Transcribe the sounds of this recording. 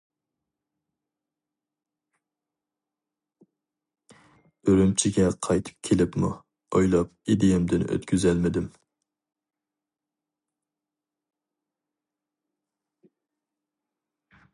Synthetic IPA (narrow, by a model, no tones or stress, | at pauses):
øɾymt͡ʃʰiɡʲɛqʰɑjt̪ʰɨ̥p̚kʲʰelɪpmṵ | ojlˠɑp̚id̪ejɪmd̪ɪnø̰t̪kʲʰyzɛlmɪd̪ɪm